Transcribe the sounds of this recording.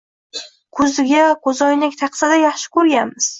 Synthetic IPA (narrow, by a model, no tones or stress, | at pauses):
kʰɵzɪɡʲakʰɵzɒjnɪkʲt̪ʰɑqsad̪ajɑχʃɪ̥kʰɵɾɡʲanmɪz̥